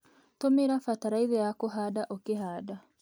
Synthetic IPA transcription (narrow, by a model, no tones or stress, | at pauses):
tomeɾafataɾaiðɛjakoɦadaʔokehaːda